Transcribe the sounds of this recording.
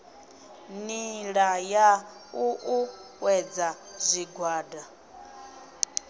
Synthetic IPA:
niɺaja | uʔuwɛd͡zazʷiɡwaːda

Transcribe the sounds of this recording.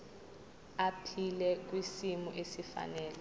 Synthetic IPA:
apʰilɛk̬wisimuʔesifa̰nɛːlɛ

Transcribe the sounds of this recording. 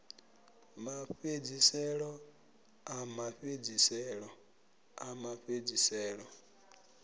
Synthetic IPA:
maɸed͡ʒisɛɾɔ | amaɸed͡ʒisɛɾɔ | amaɸed͡ʒisɛɾɔ

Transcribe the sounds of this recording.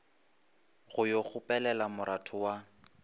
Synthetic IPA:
ɣʊjoɣʊpʼɛlɛlamʊɾʔatʰʊwa

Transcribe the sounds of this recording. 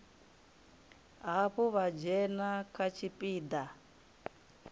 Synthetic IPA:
ɦaɸuβad͡ʒɛnakʰat͡ʃʰipʼiːd̪a

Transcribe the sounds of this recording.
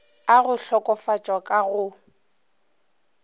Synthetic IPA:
aɣʊɬɔkʼɔfat͡ʃʼwakʼaɣʊ

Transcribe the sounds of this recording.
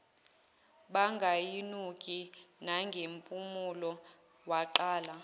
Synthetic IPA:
ɓaŋɡʱajinukʼinaŋɡʱempʼumulɔ | waǃaːla

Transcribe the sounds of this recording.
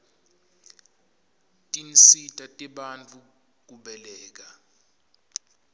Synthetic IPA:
tʼinsitʼatʼiɓant͡fʰʼu | k̬ʼuɓɛlɛːk̬a

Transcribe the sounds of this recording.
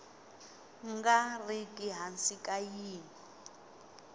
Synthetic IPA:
ŋɡarikʼiɦansikʼajiːni

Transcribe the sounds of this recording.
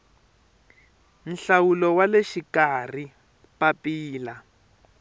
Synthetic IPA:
n̩ɬawulɔwaleʃikar̤i | papiːla

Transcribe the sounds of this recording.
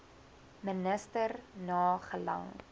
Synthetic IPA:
mənəstərnɑːχəlɐ̰ŋ

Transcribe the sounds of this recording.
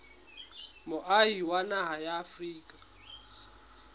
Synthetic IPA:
mʊʔaiwanaɦajaːfriːkʼḁ

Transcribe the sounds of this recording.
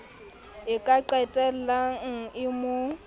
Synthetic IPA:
ɪkʼaǃɛtʼɛl̩laŋ̩ɪmo

